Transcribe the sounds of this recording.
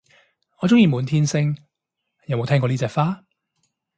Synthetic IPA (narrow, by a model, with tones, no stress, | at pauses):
ŋɔː˨˧t͡sʊ˥ŋjiː˨˧muː˨˧nt̪ʰiː˥nsɪ˧ŋ | jɐ˨˧wmo˨˧wt̪ʰɛː˥ŋkɔ˧niː˥t͡sɛː˨˧k̚faː˥